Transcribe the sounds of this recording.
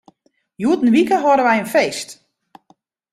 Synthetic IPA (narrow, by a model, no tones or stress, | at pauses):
juːtn̩ʋikəɦoɾəʋɛjənfeːst